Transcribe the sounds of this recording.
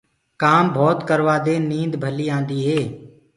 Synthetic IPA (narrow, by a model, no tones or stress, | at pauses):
kaːmbʱɔːt̪kəɾʋaːd̪eːnĩːnd̪bʱəliːãːnd̪iːɦeː